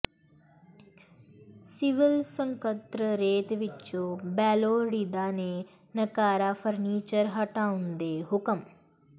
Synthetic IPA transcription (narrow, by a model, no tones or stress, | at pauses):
siʋilsə̃ŋkət̪ɾəɾeːt̪ʋit͡ʃːoːbɛːloːɽid̪aːne | nɐkaːɾafəɾniːt͡ʃəɾɦɐʈaːũnd̪eːɦʊkəm